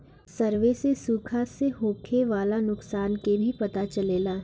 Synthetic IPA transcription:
sɐɾʋesesuːkʰaseɦoːkʰeʋaːlanʊksaːnkebʱipɐt̪at͡ʃɐleːlaː

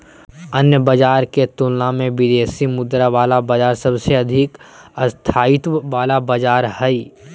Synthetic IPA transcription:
ənjəbəd͡ʒaːɾket̪ʊlnamẽʋɪd̪eːsimʊd̪ɾaʋaːlabəd͡ʒaːɾsɐbseɐd̪ʱɪkəst̪ʰaːɪt̪ʋaːlabəd͡ʒaːɾhɛi

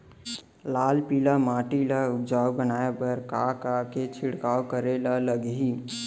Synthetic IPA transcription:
laːlpilamãːʈilaʊd͡ʒaːubənaːebəɾkakaket͡ʃʰɪɽkaːwkəɾelaləɡɦi

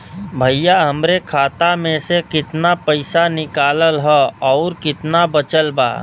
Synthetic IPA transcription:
bʱəjaɦəmɾekʰaːt̪amẽsekɪt̪napəɪsanɪkaːləlɦɛɔːɾkɪt̪nabət͡ʃəlba̰ː

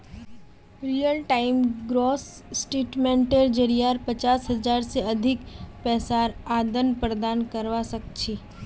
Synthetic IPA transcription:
ɾijəlʈaimɡɾos | sʈeːʈmẽɳʈeɾd͡ʒəɾijaɾpət͡ʃasɦəd͡ʒaɾseəd̪ʱɪkpɛːsaɾad̪ənpɾəd̪ankəɾʋasək̚t͡ʃʰi

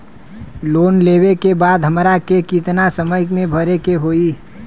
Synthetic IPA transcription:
loːnleːwekebaːd̪ɦəmɾakekit̪nasəməjmẽbʱəɾekeɦoːi

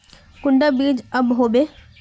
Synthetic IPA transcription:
kʊɳɖabiːd͡ʒɐbɦoːbeː

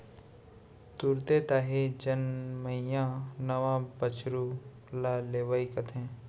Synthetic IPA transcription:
t̪uɾt̪et̪aːɦed͡ʒɐnməijãnɐʋãbət͡ʃɾu | laːleːʋaːikət̪ʰɦɛ̃ː

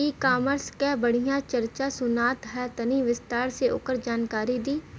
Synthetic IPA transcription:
ikaːməɾskebəɽ̤ijãt͡ʃɐɾt͡ʃasʊnaːt̪ɦɛt̪ɐniʋɪst̪aːɾseo̰ːkəɾd͡ʒaːnkaːɾid̪iː

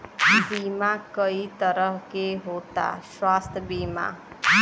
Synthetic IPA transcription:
biːmakəit̪əɾəɦkeɦoːt̪a̰ʃwaːst̪ʰəbiːma̰

